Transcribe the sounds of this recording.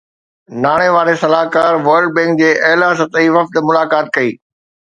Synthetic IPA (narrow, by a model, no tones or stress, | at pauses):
naːɽ̃eʋaːɽesɐlaːkaːɾʋɐɾɖ̚bɛ̃ːŋk̚d͡ʑeːʔɐːlasɐt̪iːʋɐfd̪mʊlaːkaːt̪̚kɐiː